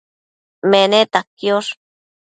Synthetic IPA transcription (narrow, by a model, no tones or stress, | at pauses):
menet̪akjoʂ